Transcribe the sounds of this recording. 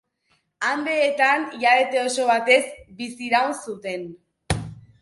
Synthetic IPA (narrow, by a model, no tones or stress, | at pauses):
and̪eːt̪anʝaβe̞t̪e̞o̞so̞βat̪e̞zbisiɾawnsut̪e̞n